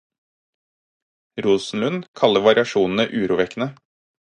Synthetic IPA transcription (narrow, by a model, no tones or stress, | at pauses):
ɾuːsn̩lʉnkʰɑləʋɑɾɪɑʃuːnn̩əʔʉːɾuːʋɛkənə